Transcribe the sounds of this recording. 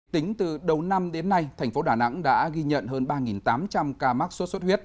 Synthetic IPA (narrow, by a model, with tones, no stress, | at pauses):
t̪ï˨˦ŋ̟t̪ɨ˨˩ɗə˨˩wna˧mɗe˨˦nːa˧jt̪ʰɛ˨˩ŋ̟fo˨˦ɗaː˧˩na̰˧˥ŋɗa̰ː˧˥ɣi˧ɲə̰˧˨nɦəː˧nɓaː˧ŋi˨˩nt̪aː˨˦mt͡ɕa˧mkaː˧ma˦˥k̚sə˦˥t̚sə˦˥t̚hwi˦˥ət̚